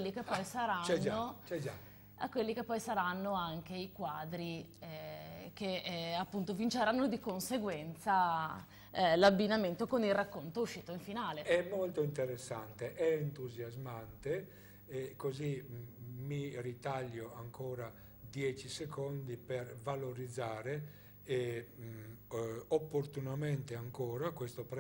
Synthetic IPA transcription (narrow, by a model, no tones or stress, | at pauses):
lːikepːɔjsaɾaɛd͡ʒːot͡ʃɛd͡ʒa | akːwelːik̟epːɔjsaɾanːoaŋk̟eikwaːd̪ɾi | k̟eapːunt̪ovint͡ʃeɾanːod̪ikonseɡwɛnt̪sa | labːinament̪okonilrakːont̪ouʃːiːt̪oiɱfinaːleɛmːolt̪oint̪eɾesːa̰nt̪eʔɛːnt̪uzjazmant̪e | ɛkozi | mirit̪aʎːoaŋkʰɔːɾa | d̪jɛːt͡ʃisekʰond̪ipervaloɾid̪zːaːɾe | ɛ | opːoɾt̪unamɛnt̪eaŋkɔːɾakwest̪opɾ